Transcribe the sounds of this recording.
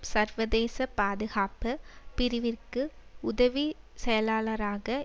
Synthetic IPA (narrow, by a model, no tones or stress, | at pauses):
sɐɾʋɐðeːsɐpaːðɯɣaːpɐpɪɾɪʋɪrkɯʊðɐʋi | sɛjɐlaːlɐɾaːɣɐ